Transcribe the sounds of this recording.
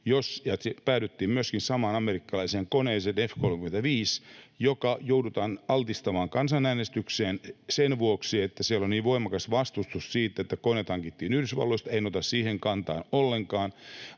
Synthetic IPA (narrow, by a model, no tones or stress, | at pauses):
josjɑspæːt̪yt̪ːiːmmyøskinsɑmɑːnɑmerikːɑlɑiseːŋkoneːsenefkolmĕkyment̪æʋiːsjokɑjoudut̪ɑːnɑlt̪ist̪ɑmɑːŋkɑnsɑnæːnest̪ykseːnsenʋuoksiet̪ːæsiælonniːʋʋoimɑkɑsʋɑst̪ust̪ussiːt̪ːet̪ːækonet̪hɑŋkit̪ːiːnyhɾysʋɑ̰lːoist̪einot̪ɑssiːheŋkɑnt̪ɑ̰ːnolːeŋkɑːn